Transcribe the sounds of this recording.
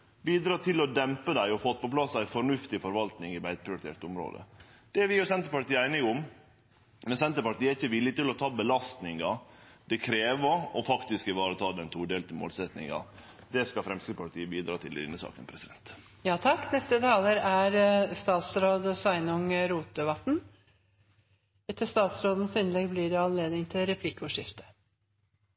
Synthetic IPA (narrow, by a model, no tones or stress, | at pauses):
biːd̪ɾɑːt̪ʰɪlɔd̪ɛmpəd̪æɪɔfɔt̪ːpɔpʰlɑsæɪfɔɳʉft̪ɪfɔɾʋɑlt̪nɪŋɪʋæɪt̪̚pʰɾɪʊɾɪt̪ʰḛːʈ̪ʊmɾo̰ːd̪ə̰d̪̥ɛæʋɪʊsɛnt̪əɾpɑʈ̪iːəæɪnɪɡʊm | mɛnsɛnt̪əɾpɑʈ̪iːəæɾɪçːəʋɪlːɪt̪ɪlɔt̪ʰɑːbəlɑst̪nɪŋɑd̪̥ɛkʰɾeːʋəɾɔfɑkt̪ɪskɪʋɑːɾət̪ʰɑːd̪ɛnt̪ʰuːɖ̪eːlt̪əmo̰ːlsɛt̪nɪ̰ŋɑ̰ | d̪ɛskɑfɾɛmskəpɑʈiːəbiːd̪ɾɑːt̪ʰɪl̰ɪ̰nːəsɑ̰ːkənpʰɾɛsɪd̪ɛnt̪ | jɑːt̪ʰɑkːnɛst̪ət̪ʰɑːləɾæɾst̪ɑːt̪sɾoːd̪sɑɪnʊŋɾuːt̪̚d̪əʋɑt̪n̩ | ɛt̪ːəst̪ɑːt̪sɾoːd̪ən̩sɪnlɛɡblɪːɖɛɑnleːd̪nɪŋt̪ʰɪlɾɛpʰlɪkʊʂɪft̪ə̥